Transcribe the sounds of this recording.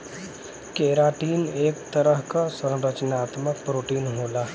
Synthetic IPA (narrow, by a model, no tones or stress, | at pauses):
keɾaʈiːnekt̪əɾəɦkasə̃ɾət͡ʃnaːt̪mək̚pɾoʈiːnɦola